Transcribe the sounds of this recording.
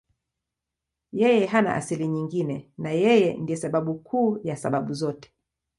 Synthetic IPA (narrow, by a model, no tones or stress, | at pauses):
jɛjɛɦana̰ʔa̰siliɲiŋɡinɛnajɛjɛndiɛsaɓaɓukʰuːjasa̰ɓaɓuzɔtɛ̥